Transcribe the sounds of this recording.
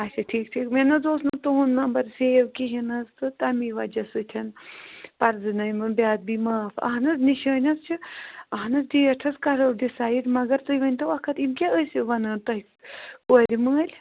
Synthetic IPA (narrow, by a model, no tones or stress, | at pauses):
ɐsʲɐʈʰiːkʈʰiːkmenɐzoːsnɐt̪uɦunːɐmbɐɾseːwkiɦinɐzt̪ɨt̪ɐmiʋɐd͡ʒɐsɨt̪ʰʲɐnpɐɾzɨnɐjmɨnbʲaːd̪̚bimaːfɐ̰ɦɐnɐzniʃəːnʲɐst͡ʃʰiɐɦnɐsd̪iːɐʈʰɐskɐɾɐld̪isaːjiʈʲmɐɡɐɾt̪ɨjʋɐnʲt̪ɐʋɐkʰɐt̪imkʲaəsʲiʋɐnɐːnt̪ɐɦi | koːlʲiməːlʲ